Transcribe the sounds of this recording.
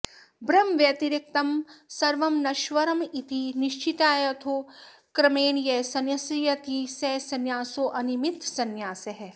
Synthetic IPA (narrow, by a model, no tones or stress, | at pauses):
bɾɐmʋjɐt̪iɾik̚t̪ɐmsɐɾʋɐmnɐʃʋɐɾɐmit̪ʰiniʃt͡ʃit̪aːjɐt̪ʰoː | kɾɐmeːnjɐsɐnjɐsijɐt̪isɛsɐnjaːsoːʔɐnimit̪sɐnjaːsɐɦe